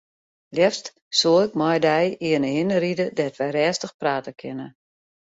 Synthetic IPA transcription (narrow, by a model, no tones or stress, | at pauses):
ljɛst | soːɪk̚mɔjdɛjiənəɪnəɾidədɛtʋɛjɾɛːstəxpraːtəkʰɪnə